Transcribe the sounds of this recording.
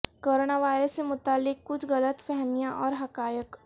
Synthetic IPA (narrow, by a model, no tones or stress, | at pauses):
koːɾoːnaʋaːɪɾəsːemʊt̪aːlːɪkːʊt͡ʃʰɣɐlət̪fɛɦmijãʔɔːɾɦɐkaːjək